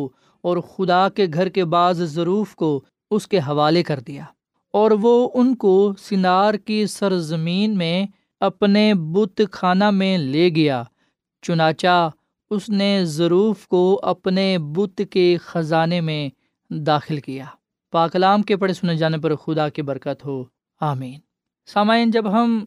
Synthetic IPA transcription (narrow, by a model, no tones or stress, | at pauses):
ɔːɾxʊd̪akeɡʱɐɾkebaːzzɐɾuːfko | ʊskeɦɐʋaːlekɐɾd̪ijaː | ɔːɾʋoʊnkosɪnaːɾkisɐɾzɐmiːnmẽ | ɐpnebʊt̪kʰaːnamẽleːɡijaː | t͡ʃʊnaːt͡ʃa | ʊsnezɐɾuːfkoɐpnebʊt̪kexɐzaːnemẽ | d̪aːxɪlkijaː | paːkɐlaːmkepɐɽesʊned͡ʒaːnep̬ɐɾxʊd̪akibɐɾkət̪ɦoː | aːmiːn | saːmaːɪnd͡ʒɐbɦɐm